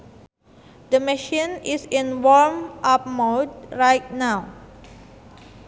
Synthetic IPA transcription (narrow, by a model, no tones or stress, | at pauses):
d̪əmɛʃĩnisĩnwɔɹmʔap̚modɹajt̚naw